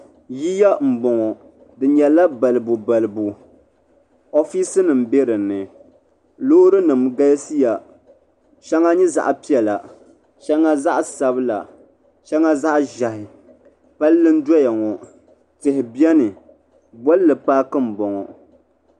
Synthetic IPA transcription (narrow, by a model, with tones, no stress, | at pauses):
ji˦ja˦m̩˨bɔ˨ŋɔ˨ | dɨ˨ɲɛ˨la˦ba˨lɨ˨bu˨ba˨lɨ˨bu˨ | o˦fi˦sɨ˦nɨ˨m̩˨be˦ɾɨ˨nːɨ˨ | loː˦ɾɨ˦nɨ˨mɡa˦lsi˦ja˨ | ʃɛ˦ŋa˦ɲɛ˦za̰˨ʔpi˦ɛ˨la̰˨ | ʃɛ˦ŋa˦za˦ʔsa˨bɨ˦la̰˨ | ʃɛ˦ŋa˦za˦ʔʒa˨hɪ˨ | pa˦lːɨ˦n̩˦dɔ˦ja˨ŋɔ˨ | tɨ˨hɪ˨bjɛ˦nɨ˨ | bɔ˦llɨ˨paː˦kɨ˦m̩˨bɔ˨ŋɔ̰˨